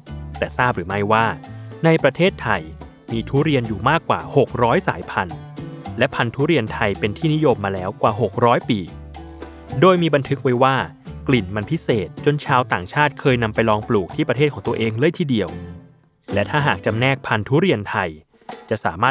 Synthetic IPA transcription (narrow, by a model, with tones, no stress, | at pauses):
t̪ɛː˨˩saː˥˩p̚ɾɯː˩˦ma˥˩jwaː˥˩na˧jpɾa˧t̪ʰeː˥˩t̪ʰːa˧j | miː˧t̪ʰuː˦˥ɾi˧ənjuː˨˩maː˥˩kːwa̰ː˨˩ho˨˩k̚ɾɔː˦˥jsa̰ː˩˦jpʰa˧n | lɛ˦˥pʰa˧nt̪ʰuː˦˥ɾi˧ənt̪ʰa˧jpe˧nt̪ʰiː˥˩ni˦˥jo˧mːaː˧lɛː˦˥wkwaː˨˩ɦo˨˩k̚ɾɔː˦˥jpiː˨˩ | doː˧jmiː˧ba˧nt̪ʰɯ˦˥k̚wa˦˥jwaː˥˩ | kli˨˩nma˧npʰi˦˥seː˨˩t̪̚t͡ɕo˧nt͡ɕʰaː˧wt̪aː˨˩ŋt͡ɕʰaː˥˩t̪̚kʰɤː˧jna˧mpa˧jlɔː˧ŋpluː˨˩k̚t̪ʰiː˥˩pɾa˧tʰeː˥˩t̪̚ʰɔː˩˦ŋt̪u˧əʔeː˧ŋlɤː˥˩jt̪ʰiː˥˩di˧əw | lɛ˦˥t̪ʰaː˥˩ɦaː˨˩k̚t͡ɕa˧mnɛː˥˩k̚pʰa˧nt̪ʰuː˦˥ɾi˧ənt̪ʰa˧j | t͡ɕa˨˩ʔsa̰ː˩˦maː˥˩